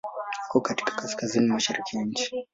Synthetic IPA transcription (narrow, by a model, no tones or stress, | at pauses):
hakɔkati̥kḁkaskazinimaʃaɾikijaɲ̩t͡ʃi̥